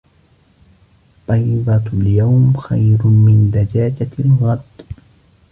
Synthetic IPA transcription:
b̥ɑjðˤɑljawmxajɾʊmɪnd̪ad͡ʒaːd͡ʒalɣad̪

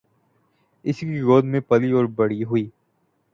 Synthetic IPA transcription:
ɪskiɡoːd̪mẽpɐliɔːɾbɐɽiɦʊiː

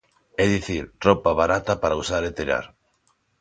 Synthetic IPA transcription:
ɛðiθiɾropaβaɾat̪apaɾausaɾet̪eɾa̰ɾ

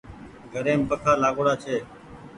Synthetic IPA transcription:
ɡʱəɾẽːmpəkʰaːlaːɡoːɽaːt͡ʃʰeː

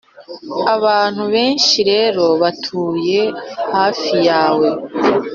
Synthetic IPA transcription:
aβaːn̥huβe̞ːnʃiɾe̞ːɾo̞βatʰuːje̞haːfijaːwe̞

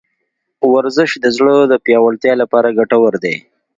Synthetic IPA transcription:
waɾzɪʃd̪əzɽəd̪əpjɑwalt̪jɑlapɑɾaɡaʈawəɾd̪e

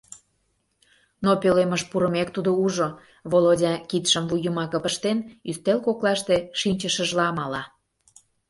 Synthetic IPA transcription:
nopøleməʃpuɾə̆mek̚t̪ud̪ouʒo | βolodʲɑkit̪ʃəmvujəmɑkəpəʃt̪enyst̪elkoklɑʃt̪eʃinʲt͡ɕəʃəʒlɑmɑlɑ

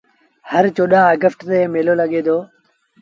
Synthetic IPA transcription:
həɾt͡ʃoːɗãːəɡəfʈt̪eːmeːloːləɠeːd̪oː

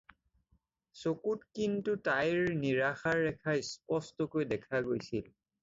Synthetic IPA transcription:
sokutkintutajɹniɹaxaɹːɛkʰajspɔstɔkojdɛkʰaɡojsil

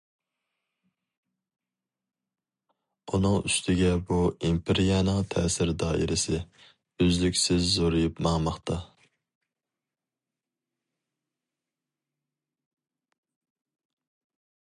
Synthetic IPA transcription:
unɨŋyst̪ʰɪɡʲɛbuimpʰeɾijɛnɨŋt̪ʰɛ̰sɪɾd̪ɑːʔḭɾɪsɪ | øzlykʲsɪzːoɾɨjupmɑŋmɑχt̪ʰɑ

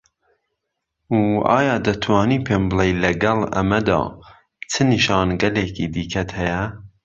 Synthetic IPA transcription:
uɑ̰ːjɑːd̪ɐt̪ʰwɑːniːpʰeːmblejlɐɡɐlɐ̰mɐd̪ɑ̰ː | t͡sʰɨniʃɑːnɡɐleːkʰiːd̪iːkʰɐt̪hɛjɛ

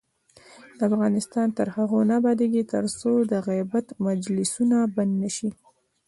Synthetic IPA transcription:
d̪əafɣɑnɪst̪ɑnt̪əɾhaɣonabɑd̪eɡit̪ə̰ɾsod̪əɣajbat̪mad͡ʒlɪsunaband̪naʃi

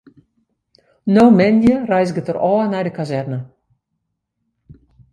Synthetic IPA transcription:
nowmɛnjərɛjzɡətərʔɔːnɛjdəkazɛrnə

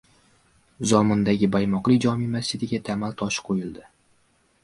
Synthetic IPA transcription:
zɒmɨnd̪aɡʲɪbajmɒqlˠɪkʲd͡ʒɒmimast͡ʃɪd̪ɪɡʲat̪ʰamalt̪ʰɒʃqʰojɪlˠd̪ɪ

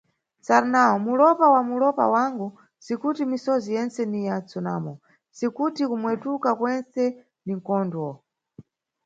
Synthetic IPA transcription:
t͡saɾnawɔmulɔpawamulɔpa̰waŋɡu | z̥ikutimisɔzijɛnt͡sɛnijat͡sɔna̰ːmɔ | z̥ikutikumwɛtukakwɛnt͡sɛ | ndiŋ̩kɔndwɔ

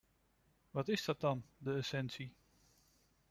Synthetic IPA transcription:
ʋɑtɪzdɑt̚dɑndəəsɛnsi

